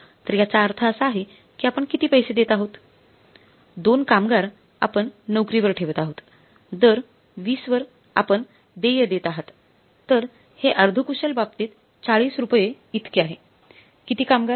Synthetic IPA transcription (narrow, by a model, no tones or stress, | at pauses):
t̪əɾjat͡saəɾt̪ʰəəsaːɦe | kiːapəɳkit̪iːpəjsed̪et̪aɦot̪ | d̪onkamɡaɾ | a̰pəɳːəwkɾiʋəɾʈʰeʋət̪aɦot̪ | d̪əɾ | ʋiːsʋəɾ | a̰pəɳ | d̪ejəd̪et̪aɦət̪ː | əɾ | heʔəɾd̪ʱukuɕəlbab̚t̪iːt̪ | t͡saɭiːsɾupje | it̪keaɦe | kit̪iːkamɡa